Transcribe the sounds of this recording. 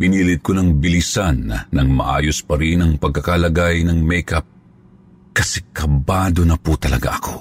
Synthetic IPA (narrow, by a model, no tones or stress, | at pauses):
piniːlɪt̪̚konɐŋbilisanːɐŋmɐʔa̰ːjospɐɾinɐŋpɐɡ̚kɐkalɐɡajnɐŋmɛjkɐp̚ | kɐsɛkɐbad̪o̞nɐput̪ɐlɐ̰ɡa̰ʔɐko̞̰